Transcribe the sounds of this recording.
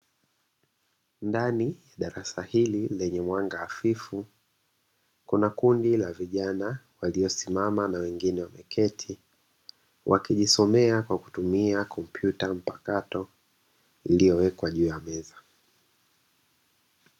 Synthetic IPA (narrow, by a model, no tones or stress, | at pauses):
ndanijaɗaɾasahililɛɲɛmwaŋɡaːfifu | kunakundilaviʄanawaliɔsimamanawɛŋɡinɛwamɛkʰɛtʰi | wʔakiʄisɔmɛakwaku̥tumiakʰɔm̩pʰjutam̩pakatɔ | ilijɔwɛkwaʄuːjamɛza